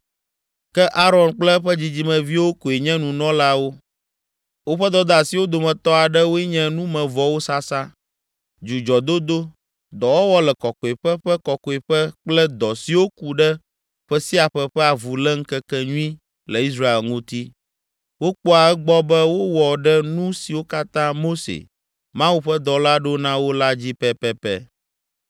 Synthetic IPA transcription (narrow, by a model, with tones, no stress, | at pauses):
kɛ˦ʔa˦ɾɔ˨nk͡plɛ˦ɸɛ˦d͡ʑi˨d͡ʑi˦mɛ̃˨vi˦wo˦ko˨e˨ɲɛ̃˦nũ˨nɔ̃˦la˦wo˦ | wo˦ɸɛ˦d̪ɔ˦d̪a˨si˨wo˦d̪o˨mɛ̃˨t̪ɔ˦a˨ɖɛ˦wo˦ɛ˦ɲɛ̃˦nũ˦mɛ̃˨vɔ˦wo˦sa˦sa˦ | d͡ʒu˨d͡ʒɔ˨d̪o˦d̪o˦ | d̪ɔ˨wɔ˦wɔ˦lɛ˨kɔ˨kɔ˨e˨ɸɛ˦ɸɛ˦kɔ˨kɔ˨e˨ɸɛ˦k͡plɛ˦d̪ɔ˨si˨wo˦ku˨ɖɛ˦ | ɸɛ˦si˦a˨ɸɛ˦ɸɛ˦a˨vu˨lɛ˦ŋ̩˦kɛ˦kɛ˦ɲũ˦ĩ˦ | lɛ˨i˦s̬ɾa˦e˨lŋũ˦t̪i˦ | wo˦k͡pɔ˦a˨ɛ˦ɡ͡bɔ˦bɛ˦wo˦wɔ˨ɖɛ˦nũ˦si˨wo˦ka˦t̪ã˦mo˦sḛ˨ | mã˦wu˦ɸɛ˦d̪ɔ˨la˦ɖo˦nã˦wo˦la˦d͡ʑi˦pɛ˦pɛ˦pɛ˦